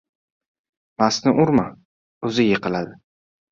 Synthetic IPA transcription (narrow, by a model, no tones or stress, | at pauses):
masnɪʔʊɾma | ɵzɪjeqɨlad̪ɪ